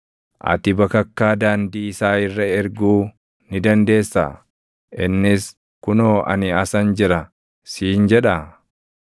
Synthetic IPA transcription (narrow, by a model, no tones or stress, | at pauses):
ʔɐ̰t̪ɪbɐkɐkːaːd̪aːnd̪iːsaːɪrːɐɛɾɡuː | nɪd̪ɐnd̪e̞ːsːa̰ | ʔɪnːɪs | kʊnoːʔɐ̰nɪɐsɐnd͡ʒɪɾɐ | siːnd͡ʒɛᶑɐ